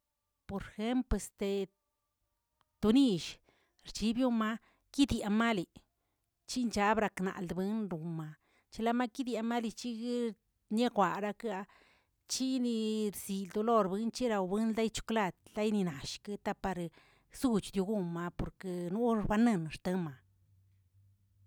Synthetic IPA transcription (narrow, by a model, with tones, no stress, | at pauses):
po˨ɾxe˦mple˧st̪e˧ | t̪u˧ni˧ʃ | ɾt͡ʃi˧˦bju˦ma˧ | ki˦d̪ja˨ma˦li˨ | t͡ʃi˦nt͡ʃa˧˦bɾa˧kna̰˨ld̪bɨ˦nɾu˨ma˧ | t͡ʃi˧la˦˧ma˦ki˦d̪ja˧ma˦li˧t͡ʃi˦ɡ | ne˦kʷa˨ɾa˧ka˧ | t͡ʃi˦ni˧ɾsi˨ld̪u˧lo˦˧ɾbɨ˦nt͡ʃi˦ɾa˧wbɨ˦nla˦jt͡ʃu̥˧kla˧d̪la˦jni˧na˨ʃke˦t̪a˦pa˧ɾ | su˦˧t͡ʃd̪ju˧ɡu˧ma˧po˨ɾke˧nu˦ɾba˧nɨ˧˨nɾt̪a˧˦ma˨